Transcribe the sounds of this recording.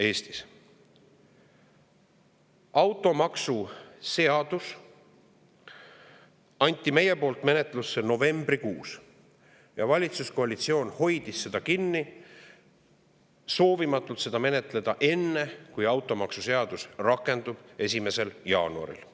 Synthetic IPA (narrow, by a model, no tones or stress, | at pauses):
e̞ːst̪is | ɑwt̪ːˑo̞mɑksuse̞ɑd̪̥us | ɑnʲt̪ːˑime̞je̞po̞ːlt̪me̞ne̞t̪lusːeno̞ve̞mb̥rikuːs | jɑvɑlʲit̪susko̞ɑlit̪sio̞ːnho̞jd̪̥isːe̞d̪̥ɑkinːi | so̞ːvimɑt̪ːˑult̪se̞d̪̥ɑme̞ne̞t̪le̞d̪̥ɑʔe̞nːekujɑwt̪ːˑo̞mɑksuse̞ɑd̪̥usrɑkːˑe̞nd̪ub̥e̞s̬ʲime̞se̞ljɑ̰ːnuɑ̰ɾḭl